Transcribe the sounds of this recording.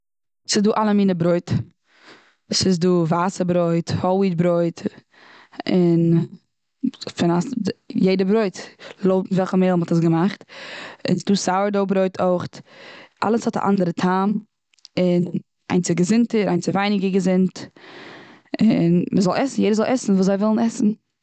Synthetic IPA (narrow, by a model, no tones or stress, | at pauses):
sɪduːʔalˠəmiːnəbɾoɪt | sɪsduːvaːsəbɾoɪthɔɪtbɾoɪt | ɪn | fɪnasjeɪdəbɾoɪtlˠoʊtn̩vɛlˠχəmeɪlˠmɔtəs̬ɡəmaχtɪ̰nsduːsaʊəɾdoʊbɾoɪtʰoɪχtʔa̰lˠəshɔta̰ʔa̰ndəɾətʰaːm | ɪn | a̰ɪnt͡sɪɡəzɪntəɾaɪnt͡sɪvaɪnɪɡəɡəzɪnt | ɪnməzɔlˠɛsn̩jeɪdəzɔlˠʔɛsn̩vuːszaɪvɪlˠn̩ɛsn̩